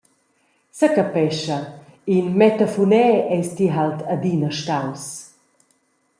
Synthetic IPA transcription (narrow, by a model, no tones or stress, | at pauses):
səkapɛʃɐ | inmɛt̪afunɛɛjstiɦaltʰad̪inəʃtaws